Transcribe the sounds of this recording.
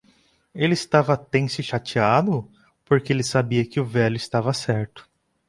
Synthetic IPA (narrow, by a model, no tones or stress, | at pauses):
elɪist̪avɐt̪ẽj̃sɪʃat͡ʃiad̪ʊ | poɾkeelɪsabiɐkɪʊvɛʎʊɪst̪avɐsɛɾt̪ʊ̥